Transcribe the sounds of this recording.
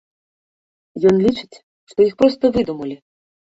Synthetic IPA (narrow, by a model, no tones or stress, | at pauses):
jɔnlʲit͡ʂɨ̥t͡sʲ | ʂt̪ɔjixpɾɔst̪ɐvɨd̪umɐlʲi